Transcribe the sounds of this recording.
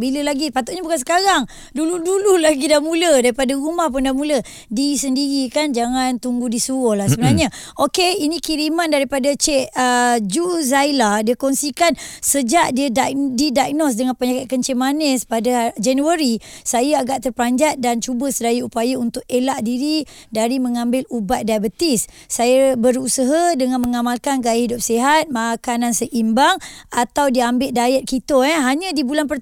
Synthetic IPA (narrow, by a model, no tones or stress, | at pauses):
biləlaɡipat̪uʔɲəbukansə̥kaɾaŋ | duludululaɡidamũlədaɾipadaɾumahpundamulə | disəndiɾikand͡ʒaŋant̪uŋɡudisuwɔhlahsəbənarɲə̃okeinĩkiɾimandaɾipadat͡ʃɛʔəd͡ʒuzailadiəkɔnsikansəd͡ʒaʔdiədadidak̚nɔs̬dəŋanpəɲakat̪̚kant͡ʃɛʔmanəspadəd͡ʒanuəɾisajaaɡaʔt̪ərplaɲd͡ʒat̪̚dant͡ʃubəsədajəupajaunt̪ʊk̚elaʔdiɾidaɾiməŋãmbɪlubat̪̚dabət̪isːajəbəɾusəɦadəŋãnməŋamalkanɡajahidʊp̚seɦat̪̚makanãnsəʔimbaŋat̪awdiambɪʔ̪̚dajɛt̪̚kit̪əɛɦaɲãdibulanpər